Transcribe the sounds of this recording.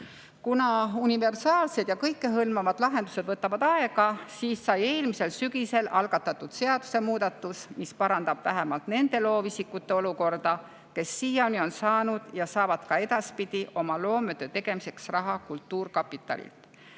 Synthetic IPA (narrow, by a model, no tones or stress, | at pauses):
kunɑunive̞rsɑːlse̞d̪̥jɑkɤjkːe̞ɦɤlmɑvɑd̪̥lɑɦe̞nd̪use̥vɤt̪ːˑɑvɑd̪̥ɑe̞ɡ̥ɑsiːsːɑje̞ːlmise̞lsyɡ̥ise̞lʔɑlɡ̥ɑt̪ːˑɑt̪ːˑud̪̥se̞ɑd̪̥u̥se̞muːd̪̥ɑt̪ːˑusmispɑɾɑnd̪ɑb̥væɦemɑlt̪ne̞nd̪e̞lo̞ːvisikːˑut̪ːˑe̞o̞luko̞rd̪̥ɑ | ke̞sːiːjonio̞nsɑːnud̪̥jɑsɑːvɑd̪̥kɑe̞d̪ɑspid̪̥iʔo̞mɑlo̞ːmøt̪ːøt̪e̞ɡ̥e̞mise̞ksrɑɦɑkult̪ːuːrkɑpːˑit̪ːˑɑ̰lḭlt̪